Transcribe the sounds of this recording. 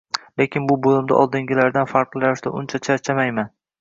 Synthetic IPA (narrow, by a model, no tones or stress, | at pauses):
le̞kʲʰɪnbʊbolˠɪmd̪a̰ʔɒlˠd̪ɪŋɡʲɪlaɾd̪anfaɾqɾaɾɪʃd̪a̰ʔʊnt͡ʃʰat͡ʃʰat͡ʃʰamajman